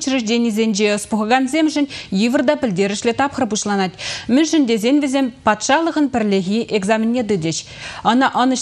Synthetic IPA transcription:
t͡ʃɾɘʃd̪ʲenʲizʲenʒeʊspuχəʁɑnzʲemʒɘ̆nʲjivərd̪ɑpʲɪ̆ld̪eɾɪ̆ʃlʲet̪ʰɑpχəɾpuʃlˠɑnɑt̪mɵnʃɪnd̪ezʲe̞nʲvezʲe̞mpɑt̪ʃɑlˠəʁənpɘɾlʲeɣʲiʔeɡzamʲinʲːed̪ɵd̪ʲeʃ | ɑnɑʔɑnə

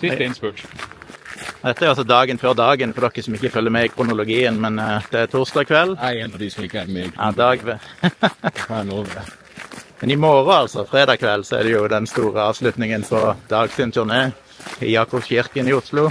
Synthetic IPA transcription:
ssɪnspø | d̪ɛt̪ːəæɾʊɑsɔd̪ɑːɡənføːʁd̪ɑːɡənfɔɾd̪ɔkːəsɔmɪçːəfœlːəɾmɛɪkʰɾʊnʊlʊɡiːənmɛnd̪̥ɛæt̪ʰʊʁsd̪ɑːkʰʋɛlːæɪɛnɑd̪ɪsɔmɪkːəæmeɑd̪ɑːɡʋɛ | noʋ | mɛnɪmoːʁəɑlsɔfʁeːd̪ɑːkʰʋɛlːsɔɛ̰ʁd̪ɛjʊd̪ɛnst̪uːʁəɑːʋslʉt̪nɪŋənfɔd̪ɑːɡsənt̪ʰʉʁneː | ɪ̰jɑːkʊpçɪʁkənɪːʊslʊ

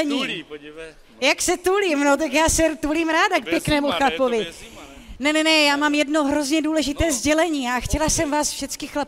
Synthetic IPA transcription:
ɲiː | jaksɛt̪ulimno̞t̪̬akjaːsɛɾt̪uliːmɾaːdak̚pjɛknɛːmuxlapovɪ | nɛnɛnɛjaːmaːmjɛdno̞ɦɾo̞zɲɛduːlɛʒɪt̪ɛːzɟɛlɛɲiːaxcɛlasɛmvaːsfʃɛtt͡skɪxlap

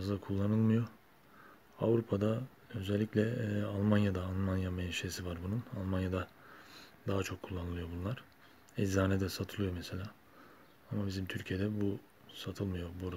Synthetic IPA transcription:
zd̪akʰulˠːanɯlˠmɯjo̞ | avɾupʰad̪a | ø̞zɛlʲːicʲlʲɛalˠmanjad̪aːlˠmanjamɛnʃesivaɾbununalˠmanjad̪a | d̪aɦat͡ʃʰo̞kʰːulˠːanɯlˠɯjo̞bunlˠaɾ̥ | izaːnɛd̪ɛsat̪ʰɯlˠɯjo̞mɛse̞lʲaː | amabizimt̪ʰyɾcʰije̞d̪ɛbu | sat̪ʰɯlˠmɯjo̞buɾa

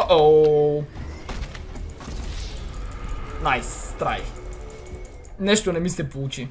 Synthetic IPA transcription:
ʔo | najst̪ɾaj | nɛʃt̪onɛmisɛpout͡ʃi

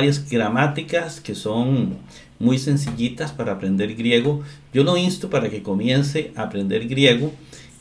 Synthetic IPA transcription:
ɾjazɡɾamat̪ikaskeso̞ŋ | mujse̞ns̬iʎit̪aspaɾaːpɾe̞nd̪e̞ɾɡɾje̞ɣoɟ͡ʝo̞noinst̪upaɾake̞ko̞mje̞nseʔʔaːpɾe̞nd̪e̞ɾɡɾje̞ɣo

